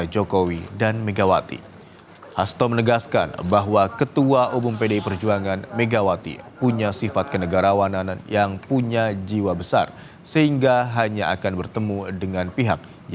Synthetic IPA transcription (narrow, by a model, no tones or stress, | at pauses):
d͡ʒokowidanmeɡawa̰t̪ḭ | hast̪ɔmənəɡaska̰nbaɦwakət̪uaʔumʊmpedaipərd͡ʒuaŋanmeɡawat̪ḭpuɲasifat̪̚kənəɡaɾawanananjaŋpuɲad͡ʒiwabəsa̰r | səɦiŋɡaɦaɲaʔakanbərt̪əmudəŋanpiɦak̚